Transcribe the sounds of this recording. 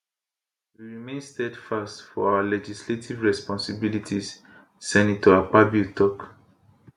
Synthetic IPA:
wiɹimẽnstɛdfastfɔawalɛd͡ʒisletʰivɹɛspɔ̃nsibilitʰis | sɛ̃ndĩtuapabitʰɔk

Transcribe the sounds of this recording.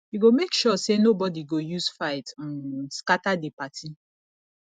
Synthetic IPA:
juɡomekʃɔsenobɔdiɡojusfaɪtɔ̃nskatadepatʰi

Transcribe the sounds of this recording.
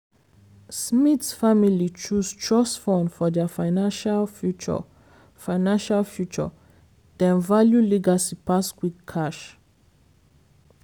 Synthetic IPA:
smitsfamilit͡ʃustʰɹɔsfɔ̃nfɔdɛfaɪnaʃalfut͡ʃɔ̰ | faɪnãnʃalfjut͡ʃɔ̰ | d̥ɛ̃nvaljuliɡasipaskwikkʰːaʃ

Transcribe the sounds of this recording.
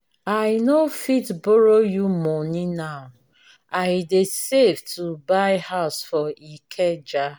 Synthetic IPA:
aɪnofitbɔɾojumɔnĩnaʊ | ajdeseftʰubaɪhaʊsfɔikʰed͡ʒa

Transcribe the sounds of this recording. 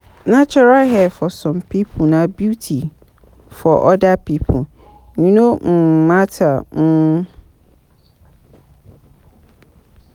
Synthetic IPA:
nãt͡ʃʰɔɾalɦɛfɔsɔ̃mpʰipʰunãbjutʰi | fɔʔɔdapʰipʰu | ɲĩnõm̩mãtʰanʊ

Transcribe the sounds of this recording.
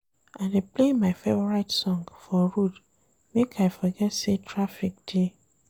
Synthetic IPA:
ãdeplemaɪfɛbɔɹaɪtsɔ̃ŋɡfɔɹud | mekʰaɪfɔɡɛtsetʰɹafik̚d̥e

